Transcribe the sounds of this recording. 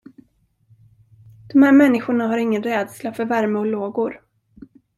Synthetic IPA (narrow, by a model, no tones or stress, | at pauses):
d̪̥ɔmhæːɾmɛnːɪɧʊɳaɦaɾɪŋːənɾɛːd̪slafœɾvæɾməɔloːɡʊɾ